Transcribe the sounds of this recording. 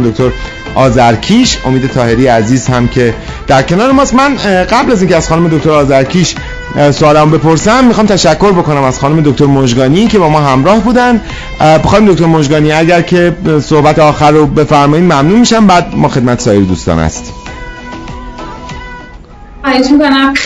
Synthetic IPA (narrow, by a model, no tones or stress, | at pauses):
d̪okʰʲt̪ʰoɾ | ʔɒːzæɾcʰiʃo̞miːd̪e̞t̪ʰɒːhe̞ɾijeæziːzhæmcʰe̞ | d̪̥æɾcʰe̞nɒːɾemɒːst̪mænɢæblæziːnceæz̥xɒːnume̞d̪o̞k̚ʰt̪o̞ɾɒːzæɾcʰiʃ | soɒːlæmobe̞pʰoɾsæmːixɒːmt̪ʰæʃækʰːo̞ɾbo̞ko̞næmæz̥xɒːnume̞d̪ok̚ʰt̪ʰoɾmoʒɡɒːnicʰe̞bɒːmɒːɦæmɾɒːhbuːd̪ænd̪ | bexɒːnmd̪ok̚t̪oɾmoʒɡɒːniæɟæɾcʰe̞sohbæt̪ʰeɒːxæɾobe̞fæɾmɒːiːd̪mæmnuːmiʃæmbæːd̪̚mɒːxe̞d̪̚mæt̪esɒːjeɾed̪uːst̪ɒ̰ːnæ̰st̪ | ɒeʃmikonæm